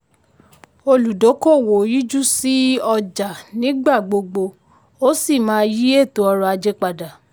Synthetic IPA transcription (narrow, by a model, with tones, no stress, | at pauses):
o˧lu˨do˨˦ko˦˨wo˨˦ji˦d͡ʒu˦si˦ɔ˧d͡ʒa˨nĩ˨˦ɡ͡ba˦˨ɡ͡bo˧ɡ͡bo˧ | o˦si˦˨mãː˨˦ji˦e˦˨to˨˦ɔ˧ɾɔ˧a˧d͡ʒe˦k͡pa˧da˨